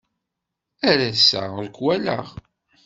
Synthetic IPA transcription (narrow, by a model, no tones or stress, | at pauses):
æɾæsæ̰ʁðkwælə̰ʁ